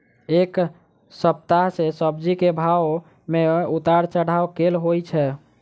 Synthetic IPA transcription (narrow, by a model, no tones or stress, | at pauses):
ek | səp̚t̪aɦsesəb̚d͡ʒikebʱaw | meut̪aɾt͡ʃəɽ̤aokelɦojt͡ʃʰɛ